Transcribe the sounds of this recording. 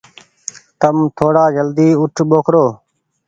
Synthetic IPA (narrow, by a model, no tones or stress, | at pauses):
t̪əmt̪ʰoːɽaːd͡ʒəld̪iːʊʈʰɓoːkʰɾoː